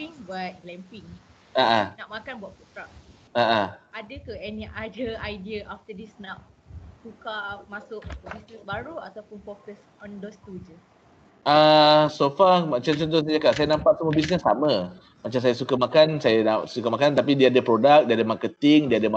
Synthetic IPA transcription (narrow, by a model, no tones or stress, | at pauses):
iŋbat̪̚lɛmpiŋ | aʔanaʔmakanbaʔput̪ɾak̚ | aʔaadəkəɛniʔadəajdiəʔaft̪ədisnaʔsukamasʊk̚bisnəsbaɾua̰t̪awpʊnfokəs | ɔ̃ndost̪ud͡ʒə | asofamat͡ʃamt͡ʃɔnt̪̬ʊsad͡ʒakaʔsajanãmpaʔsamobis̬nəsːa̰mã | mat͡ʃams̬ajasukamakansajanasukamakant̪ap̬idiaadəpɾodak̚diadəmakət̪iŋdiadəma